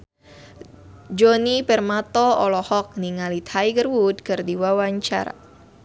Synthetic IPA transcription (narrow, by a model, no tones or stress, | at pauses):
d͡ʒonipɛrmat̪ɔɔlɔhɔk̚niŋalit̪ʰhajɡərwud̪̚kərdiwawaɲt͡ʃa̰ɾa̰